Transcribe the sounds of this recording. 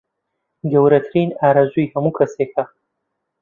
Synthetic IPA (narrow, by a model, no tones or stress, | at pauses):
ɡɐwɾɐt̪ʰɨɾiːnaːɾazujhɐmuːkʰɐsekʰɐ